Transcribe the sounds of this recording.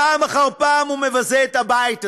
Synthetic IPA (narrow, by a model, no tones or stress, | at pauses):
aːmaχaʁpaːmumevazeet̪abaita